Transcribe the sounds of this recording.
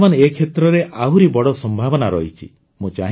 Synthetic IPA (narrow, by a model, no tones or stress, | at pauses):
manekʰet̪ɾɔɾeʔaɦuɾibɔɽɔsɔmbʱabɔnaɾɔ̰ɦit͡ʃʰi | mũt͡ʃa̰ɦ